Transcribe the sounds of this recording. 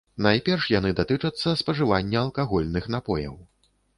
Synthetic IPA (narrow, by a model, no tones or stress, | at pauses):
najpʲɛrʂjan̪ɨd̪at̪ɨt͡ʂɐt̪sːɐspɐʐɨvanʲːɐːlˠkaɣɔlʲnɨxnapɔjɐ̰w